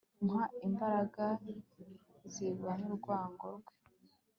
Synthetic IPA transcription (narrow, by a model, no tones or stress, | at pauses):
ŋhaimbaɾaɡa | ziɡwanuɾɡwaːŋɡoɾɡwe